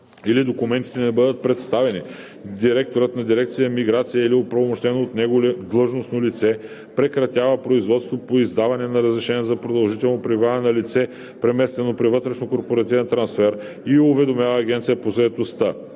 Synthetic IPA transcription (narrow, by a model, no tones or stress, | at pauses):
ilid̪okʊmɛnt̪i̥t̪ɛnɛbɤd̪ət̪̚pɾɛt̪st̪avɛni | d̪iɾɛk̚t̪oɾət̪nɐd̪iɾɛk̚t̪sijəmiɡɾat̪sijəiliopɾɐvomoʃt̪ɛnoːt̪nɛɡold̪lˠɤʒnosnolit̪sɛ | pɾɛkɾɐt̪ʲavɐpɾoizvɔt̪st̪vopoizd̪avɐnɛnɐɾəzɾɛʃɛnʲizɐpɾod̪ɐlˠʒit̪ɛlˠnopɾivaɛnɐlit̪sɛ | pɾɛmɛst̪ɛnopɾivɤt̪ɾɛʃnokoɾpoɾɐt̪ivɛnt̪ɾɐnsfɛɾ | iʊvɛd̪omʲjavɐːɡ̟ɛnt̪sijəpozɐɛt̪ost̪ə